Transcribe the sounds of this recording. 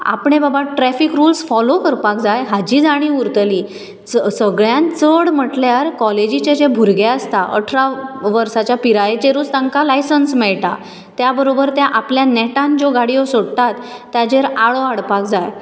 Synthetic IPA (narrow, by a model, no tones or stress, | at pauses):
a̰pɳebabaʈɾɛfikɾulsfɔlokəɾpak̚d͡zajɦad͡ʑiːd͡zaɽ̃ĩːuɾt̪əliː | t͡ssəɡɭjãnt͡səɽm̤əʈlaɾkɔled͡ʑit͡ɕed͡ʑẽbʱuɾɡaəst̪aʔə̰ʈʰɾaʋəɾsat͡ɕjapiɾajet͡ɕeɾuːt͡st̪ãŋkalajsənsmɛɭʈa̰ | t̪jabəɾobəɾt̪jaʔapljanɛʈãnd͡zoɡaɽijosoɽt̪at̪ːjad͡ʑeɾaɭoaɽpak̚d͡zaj